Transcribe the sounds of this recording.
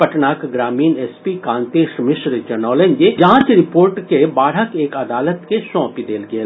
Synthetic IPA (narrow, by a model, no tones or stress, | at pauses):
pɐʈnaːkɡɾaːmiːnɛːspikãːnt̪eːʃmɪʃɾəd͡ʒɐnɔːlẽɲd͡ʒed͡ʒãːt͡ʃɾɪpoːɾʈkebaːɽ̤əkeːkɐd̪aːlət̪kesɔ̃ːpid̪eːlɡeeː